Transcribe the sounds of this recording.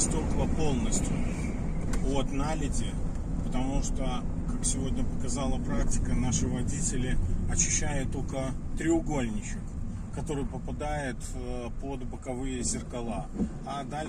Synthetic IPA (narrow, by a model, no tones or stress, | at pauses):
st̪ʲokəvˠəpo̞lˠnəsʲtʲʊ | ot̪nalʲɪtʲɪ | pət̪ɐmuʂt̪o | kaksʲɪvo̞dʲnʲəpəkɐzalˠəpɾak̚tʲɪ̥kənaʂɨvɐdʲitʲɪlʲɪɐt͡ɕːɪɕːæjɪt̪ːolkət̪ɾʲɪʊɡo̞lʲnʲɪt͡ɕɪk | kːɐt̪o̞ɾɨjpəpɐd̪ajɪt̪ | pod̪bəkɐvɨjəzʲɪrkɐlˠa | ad̪alʲ